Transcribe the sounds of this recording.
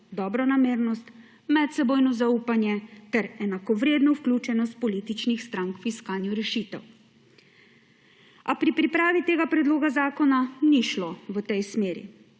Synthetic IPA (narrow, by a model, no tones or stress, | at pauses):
d̪ɔbɾɔnameːɾnɔst̪ | mɛt̪sɛboːjnɔzauːpanjɛt̪ɛɾɛnakɔʋɾeːd̪nɔuwklʲuːt͡ʃɛnɔst̪̚pɔliːt̪it͡ʃnixst̪ɾaŋkfiskaːnjuɾɛʃit̪ɛ̰w | apɾipɾipɾaːʋit̪eːɡapɾɛd̪loːɡazaːkɔnaniʃloʋət̪ɛjsmeːɾḭ